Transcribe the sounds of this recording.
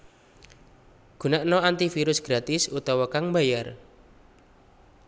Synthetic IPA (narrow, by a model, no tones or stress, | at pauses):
ɡ̥ṳnaʔnɔant̪ifiɾʊsɡ̥ɾat̪ɪsut̪ɔwɔkaŋmbajar